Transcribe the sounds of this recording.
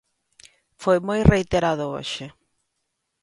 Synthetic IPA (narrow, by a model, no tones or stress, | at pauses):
fojmojrejt̪eɾaðʊo̰ʃɪ